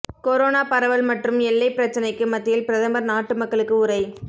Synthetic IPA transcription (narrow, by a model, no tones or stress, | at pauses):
koɾoːnaːpɐɾɐʋɐɭmɐʈrɯmɛlːɐɪpɪɾɐt͡ʃːɐnɐɪkːɯmɐt̪ːɪjɪlpɪɾɐðɐmbɐɾnaːʈːɯmɐkːɐɭɯkːɯʊɾɐɪ